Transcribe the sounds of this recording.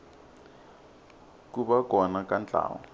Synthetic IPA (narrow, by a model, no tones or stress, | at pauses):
kuɓakɔnakant͡ɬa̰ːwɔ̰